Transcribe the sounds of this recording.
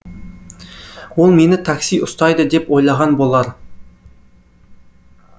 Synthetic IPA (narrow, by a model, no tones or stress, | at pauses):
wo̞lˠme̞nɪt̪ʰaksijʊst̪ɑjd̪əd̪e̞pwo̞jlˠɑʁɑnbo̞lˠɑɾ